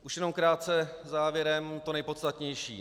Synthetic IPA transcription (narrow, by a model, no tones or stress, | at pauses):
ʔuʃjɛno̞mkɾaːt̪̚t͡sɛ | zaːvjɛɾɛmt̪onɛjpo̞t̪st̪at̪ɲɛjʃḭː